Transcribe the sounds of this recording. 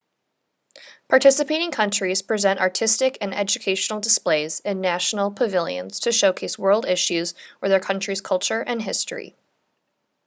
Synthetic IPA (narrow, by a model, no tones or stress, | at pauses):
pʰɑɹtʰɪsɨpʰeɪɾɪ̃ŋkʰʌ̃nt͡ʃɹ̥iz̥pʰɹ̥izɛ̃ntɑ̰ɹtʰɪstɨkɨ̃nɛ̰d͡ʒɨkʰeɪʃnl̩ˠdəspleɪzɨ̃nːæʃn̩l̩ˠpʰɨvɪlˠjɨ̰̃nz̥tʰɨʃoʊkʰeɪswɜ˞lˠdɪʃʉzwə˞ðə˞kʰʌ̃nt͡ʃɹ̥iz̥kʰʌlˠt͡ʃə˞ʔɨ̃nɦɪstɹ̥ḭ